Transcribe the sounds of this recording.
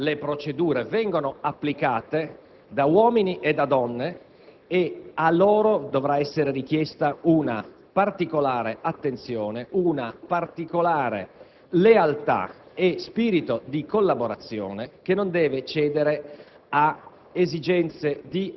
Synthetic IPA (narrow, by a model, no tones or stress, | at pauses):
lepɾot͡ʃed̪uːɾevɛŋɡonoapːlikaːt̪e | d̪awɔːminiʔed̪ad̪ɔnːe | ealːoːɾod̪ovɾaɛsːeɾerik̟jɛst̪auna | part̪ikolaːɾeat̪ːent̪sjoːneʔunapart̪ikolaːɾḛ | lealt̪a̰espiːɾit̪od̪ikolːaboɾat̪sːjo̰ːnekenːond̪ɛːvet͡ʃɛːd̪eɾe | a | ezid͡ʒɛnt̪sed̪i